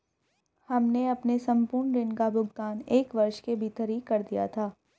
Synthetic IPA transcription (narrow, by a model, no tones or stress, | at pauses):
hɐmneɐpnesɐ̃mpʊːɾɳɾɪnkabʊɡt̪aːneːkʋɐɾʃkebʱiːt̪əɾiːkːɐɾd̪ija̰t̪ʰaː